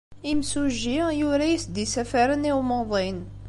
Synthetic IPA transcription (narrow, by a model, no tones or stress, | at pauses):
imsuʒːijʊɾæjisd̪isæfaɾəniwmoðˤin